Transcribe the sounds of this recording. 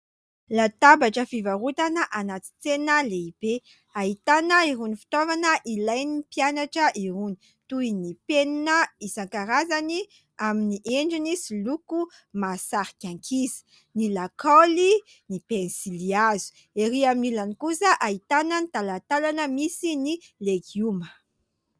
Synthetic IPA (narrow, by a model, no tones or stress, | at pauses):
lat̪abaʈ͡ʂəfivaɾut̪anəʔanat͡si̥t͡senəleib̥e | ait̪anəiɦunifi̥t̪ovanəʔilajnipianaʈ͡ʂəʔiɾuni̥ | t̪uinipeninəisaŋkaɾazani | aminiʔeɳɖ͡ʐinisiluku | masaɾi̥kʲaŋkʰizi̥ | nilakoli | nipensiliazu̥ | eɾiaminilanikusəʔait̪anənit̪alat̪alanəmisinileɡiumə